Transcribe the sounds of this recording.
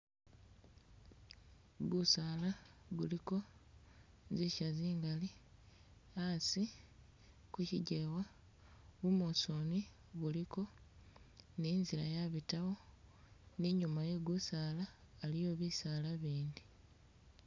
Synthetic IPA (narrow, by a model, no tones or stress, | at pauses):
ɡusaːlaɡuliko̞ | ziʃaziːŋɡali | asi | kuciɟewa | βumosoni | βuliko̞ | niːnzilajaβitawo̞ | niɲumaje̞ɡusaːlaː | lijo̞βisalaβiːndi